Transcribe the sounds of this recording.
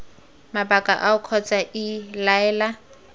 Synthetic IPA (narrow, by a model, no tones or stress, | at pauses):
mabakʼa̰ʔaʊkʰɔt͡sʼaʔɪlaɛːla